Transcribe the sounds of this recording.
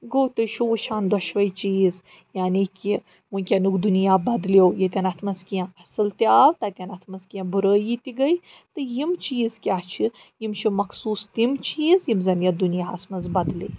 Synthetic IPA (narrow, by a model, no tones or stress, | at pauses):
ɡoːwt̪ɨʃʰuʋuʃʰaːnd̪ɔʃʋɐjt͡ʃiːz | jaːniki | mũnʲkʲɐnukd̪unijaːbɐd̪lewjet̪ʲanɐt̪ʰmɐzkijãɐsɨlt̪iaːwt̪ɐt̪ʲanɐt̪ʰmɐzkijãbuɾəːjit̪iɡɐj | t̪ɨjimt͡ʃiːzkʲaːɦt͡ʃʰijimt͡ʃʰimɐkʰsuːst̪imt͡ʃiːzjimzɐnjɐd̪unijaːɐsmɐzbɐd̪lḭ